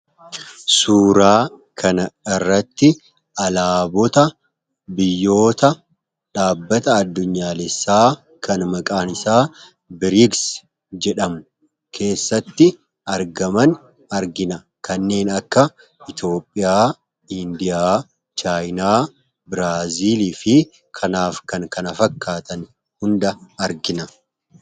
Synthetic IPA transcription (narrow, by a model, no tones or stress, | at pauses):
suːɾaː | kʰɐnɐɪrːɐt̪ːɪ | ʔɐlaːbɔt̪ɐ | bɪjːo̞ːt̪ɐ | ᶑaːbːɐt̪ɐːd̪ːʊɲːaːlɛsːaː | kɐnmɐkʼaːnɪsaː | bɪɾɪɡs | d͡ʒɛᶑɐmʊ | kʰe̞ːsːɐt̪ːɪ | ɐɾɡɐmɐn | ɐɾɡɪnɐ | kʰɐnːe̞ːnɐkːɐ | ɪt̪o̞ːpʼːɪjaː | ɪnd̪ɪjaː | t͡ʃaːjnaː | bɪɾaːziːliːfɪ | kʰɐnaːfkɐŋkɐnɐfɐkʰːaːt̪ɐn | hʊnd̪ɐːɾɡɪnɐ